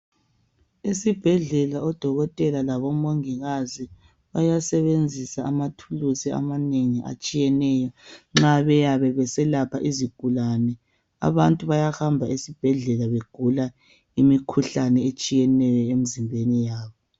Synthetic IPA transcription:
esib̥ʱɛɮɛlaɔd̥ʱɔɣɔtʼɛlalaβɔmoŋiɣazi | βajasɛβend͡zʱisaːmatʰulusia̰maneŋiʔa̰t͡ʃʼijɛnɛjɔŋ͡ǁaβɛjaβɛβɛsɛlapʰaʔiziɡ̥ʱulanɛ | a̰βantʼuβajahambʱaesib̥ʱɛɮɛlaβeɡ̥ʱula | imikʰuɬanɛet͡ʃʼijɛnɛjɔemizimbʱenijaːβɔ

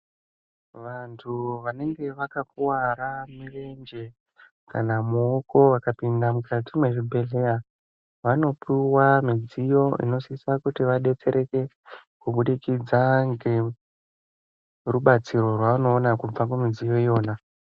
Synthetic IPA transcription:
ʋantʰuʋane̞ŋɡe̞ʋakakuwaɾamile̞nd͡ʒe̞ | kanamuːko̞ʋakapindamukatimwe̞ʐibʱe̞ɮe̞ja | ʋano̞piwamid͡zijo̞ḭno̞sisakutiʋaɗe̞t͡se̞ɾʔe̞ke̞ | kuɓuɗikid͡zaŋɡe̞ | ruɓat͡siɾo̞rwaʋano̞ːnakub͡vakumid͡zijo̞ijo̞ːna

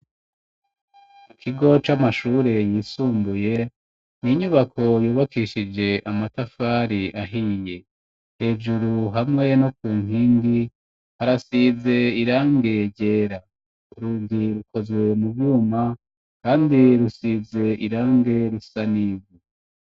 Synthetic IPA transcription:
ikʰiɡo̞t͡ʃamaʃuːɾe̞jiːsuːmbuje̞ | niɲuβakʰo̞juːβakiʃid͡ʒe̞ʔamatafaːɾiʔaɦiːje̞ | he̞ːd͡ʒuɾuɦamŋe̞no̞kuːŋɦiːŋɡi | haɾasize̞iɾaːŋɡe̞ɾɟe̞ːɾa | uɾuːndiɾuko̞zwe̞mubjuːma | kaːndiɾusize̞ʔiɾaːŋɡe̞ɾusaniːvi

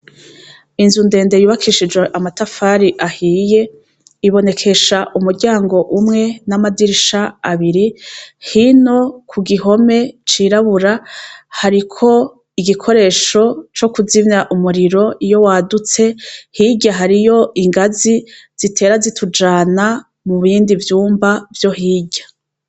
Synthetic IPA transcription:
inzunde̞ːnde̞juːβakʰiʃid͡ʒweʔamatafaːɾiʔahiːje̞ | iβo̞ne̞kʰe̞ʃaʔumuɾɟaːŋɡo̞ʔumŋe̞namadiɾiʃaaβiɾihino̞kʰuɡiɦo̞me̞t͡ʃiɾaβuɾahaɾikʰo̞ | iɡikʰo̞ɾe̞ːʃo̞t͡ʃo̞kuzimɲaʔumuɾiɾo̞ijo̞waːdut͡se̞hiɟaɦaɾijo̞ʔiŋɡazi | z̥itʰe̞ːɾazitʰud͡ʒaːna | muβiːndivjuːmbavjo̞ɦiːɟa

